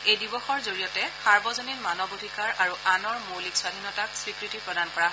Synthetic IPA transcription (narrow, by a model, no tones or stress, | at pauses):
ejdibɔxɔɹzoɹijɔtɛsaɹbɔzonilmanɔbodʱikaɹʔaɹuʔanɔɹmowlikswadʱinɔtakswikɹitipɹɔdankɔɹaɦɔ